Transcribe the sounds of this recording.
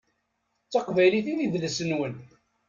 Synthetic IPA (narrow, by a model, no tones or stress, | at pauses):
t͡sːɑqvæjliθiðiðləsənwən